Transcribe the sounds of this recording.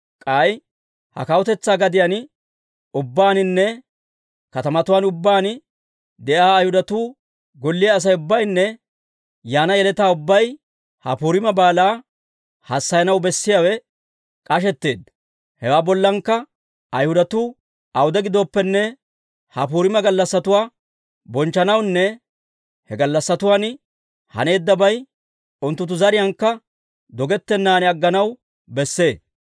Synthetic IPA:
kʼaj | hɐ̰kɐwʊt̪ɛt͡sːaːɡɐd̪ɪjan | ʊbːaːnɪnːɛ | kɐt̪ɐmɐt̪ʊwaːnʊbːaːn | d̪ɛʔaːjhʊd̪ɐt̪uː | ɡɔlːɪjaːs̬ɐjʊbːɐjnːɛ | jaːnɐjɛlɛt̪aːʊbːɐj | hɐ̰puːɾɪmɐbaːlaː | hɐsːɐjɐnɐwbɛsːɪjaːwɛ | kʼɐʃ̬ɛt̪ːe̞ːd̪ɐ | hɛwaːbɔlːɐŋkːɐ | ɐjhʊd̪ɐt̪ʊ | ʔɐwʊd̪ɛɡɪd̪o̞ːpːɛnːɛ | hɐpuːɾɪmɐɡɐlːɐsːɐt̪ʊwaː | bɔnt͡ʃːɐnɐwnːɛ | hɛɡɐlːɐsːɐt̪ʊwaːn | hɐ̰ne̞ːd̪ːɐbɐj | ʊnt̪ːʊt̪̬ːʊzɐɾɪjɐŋkːɐ | d̪ɔɡɛt̪ːɛnːaːnɪɐɡːɐnɐw | bɛsːe̞ː

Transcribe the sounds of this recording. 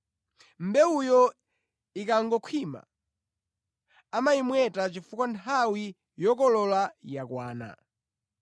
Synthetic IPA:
m̩bɛujɔ | ikaŋɡɔkʰwima̰ | amaimwɛtat͡ʃifukwantʰawi | jɔkɔlɔlajakwaːna̰

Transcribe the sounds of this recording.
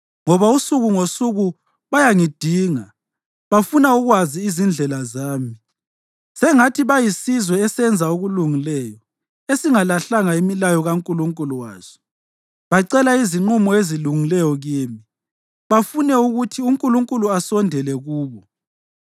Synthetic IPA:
ŋɔβausuɣuŋosuɣu | βajaŋid̥ʱiːŋa | βafunauɣwaziːzind͡ɮʱɛlazaːmi | sɛŋatʰiβajisizwɛːsɛnd͡zʱauɣuluŋilɛjɔ | esiŋalaɬaŋaimilajɔɣaŋkʼuluŋkʼuluwa̰ːz̥ɔ̥ | βaǀɛlaiziŋ͡ǃumɔeziluŋilɛjɔɣiːmi | βafunɛuɣutʰiuŋkʼuluŋkʼuluasɔndʱɛlɛɣuːβɔ

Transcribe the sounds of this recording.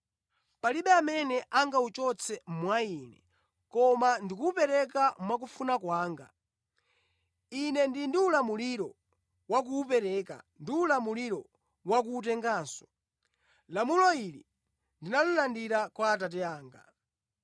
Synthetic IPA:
paliɓɛamɛnɛʔaŋɡaut͡ʃɔt͡sʰɛmwainɛ̰ | kɔmandikuːpɛɾɛkamwak̬ufunakwaːŋɡa̰ | inɛndindiulamuliɾɔ | wak̬uːpɛɾɛːka̰ndiulamuliɾɔ | wak̬uːt̬ɛŋɡaːnsɔ̥ | lamulɔili | ndinalulandiɾakwaːtat̬ɛaːŋɡa̰

